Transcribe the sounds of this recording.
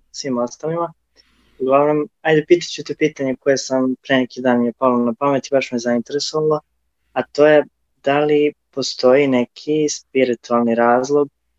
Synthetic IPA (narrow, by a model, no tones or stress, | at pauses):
sʋiːmost̪alima | uɡlˠaonomajd̪epiːt̪ḁt͡ɕut̪epiːt̪aɲekojesampɾejnekid̪aːnjepalonapame̞t̪ibaʃmizaint̪e̞ɾeso̞ʋalˠo | at̪o̞ːje | d̪alipo̞st̪o̞jinekʰispiɾit̪ualˠniɾaːzlˠo̞ɡ̚